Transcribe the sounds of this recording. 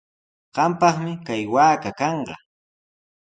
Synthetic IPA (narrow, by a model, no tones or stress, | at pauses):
ɢ̥ɑmpɑχmɪkajwaːkakɑɴɢɑ̰